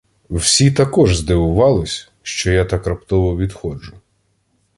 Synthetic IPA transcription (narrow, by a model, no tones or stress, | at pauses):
wsʲit̪ɐkɔʒzd̪ɪʋʊʋɑlˠɪsʲ | ʃt͡ʃɔjat̪ɐkɾɐpt̪ɔʋɔʋʲid̪xɔd͡ʒʊ